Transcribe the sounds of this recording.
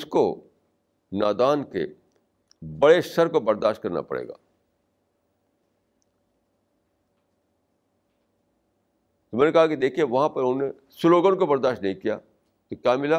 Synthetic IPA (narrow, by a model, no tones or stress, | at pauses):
sko̰ | na̰ːd̪aːnkḛ | bɐɽeʃɐɾkobɐɾd̪aːʃt̚kɐɾna̰pɐ̰ɽḛːɡa̰ː | t̪omɛ̃ːnekɐɦakid̪eːkʰieʋɐɦãpɐɾʊnne | sʊloːɡənkobɐɾd̪aːʃtnɐɦĩkija̰ː | k̪okjaːmɪla